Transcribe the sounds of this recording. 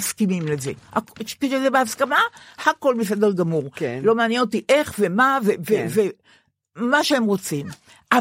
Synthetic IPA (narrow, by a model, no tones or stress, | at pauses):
skimimlezḛha̰kʃkeʃezebeaskamahako̞lbifed̪elɡamuʁklo̞maːnjeno̞t̪iʔe̞χvemaveveve | maʃeemʁo̞t͡sim | a